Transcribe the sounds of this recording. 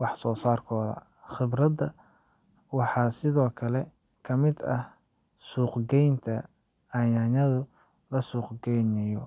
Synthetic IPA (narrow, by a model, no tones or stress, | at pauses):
wɑħsɔːsaːrkʰɔːðɐ̰ | xɪbrɐd̪ɐ | wɑħɑːsɪðɔːkʰɐlɛkʰɐmɪd̪ɐh | suːqɡɛjnt̪ʰɐ | ɐjɐnɐðʊ | lɐsuːqɡɛjnɐjɔ